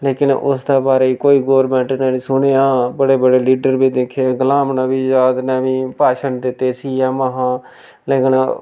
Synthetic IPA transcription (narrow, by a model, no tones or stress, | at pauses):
leːkɪnʊ̰sd̪eːbaːɾeːiːkoːiːɡoːəɾmɛ̃ːɳʈneːɽiːsʊɽeːãːbəɽeːbəɽeːliːɖəɾbiːd̪ekʰːeɡəlaːmnaːbiːd͡ʒaːd̪nɛːʋiːpaːʃənd̪ɪt̪eːsiːjãːmaɦãː | leːkən